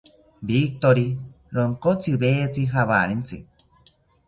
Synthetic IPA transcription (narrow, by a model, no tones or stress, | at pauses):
bik̚t̪oɾi | ɾoŋkot͡siβet͡siɦaβa̰ɾint͡sḭ